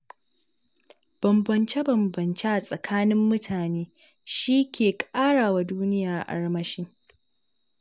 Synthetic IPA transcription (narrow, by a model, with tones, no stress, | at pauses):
b̥ɐ˨mbɐ˨nt͡ʃe˦bɐ˨mbɐ˨nt͡ʃe˦ʔa˨sʼɐ˨kʰaː˦nɪ˦mːʊ˦tʰaː˨neː˦ | ʃiː˦kʲʰeː˨kʼaː˦ɽaː˨wa˦duː˦nɪ˦jaː˨ʔʔa̰˨ɽmɐ˦ʃɪ˦ŋ